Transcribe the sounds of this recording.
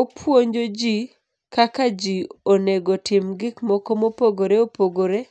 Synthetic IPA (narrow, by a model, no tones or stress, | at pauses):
opʰwoɲd͡ʒod͡ʒi | kakad͡ʒioneɡotɪmɡɪkmɔkomopoɡoɾeopoɡoɾe